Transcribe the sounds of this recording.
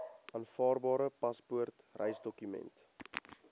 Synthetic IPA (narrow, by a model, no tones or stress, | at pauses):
ʔɑːnfɑːrbɑːɾəpɐspuərt | rɛ̰jsdɔkymɛ̰nt